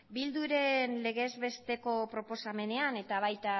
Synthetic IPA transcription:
bild̪uɾe̞nle̞ɣe̞zβe̞st̪e̞ko̞pɾo̞po̞same̞ne̞ane̞t̪aβ̞ajt̪a

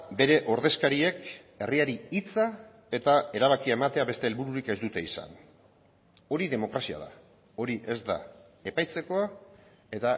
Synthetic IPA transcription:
be̞ɾe̞ʔo̞ɾðe̞skaɾie̞k | e̞riaɾiit͡sa | e̞t̪ae̞ɾaβ̞akiae̞mat̪e̞aβe̞st̪e̞ːlβuɾuɾikezd̪ut̪e̞isa̰n | o̞ɾiðe̞mo̞kɾasia̰ða̰ | o̞ɾiʔe̞zd̪a̰ | e̞pajt͡se̞ko̞a | e̞t̪a

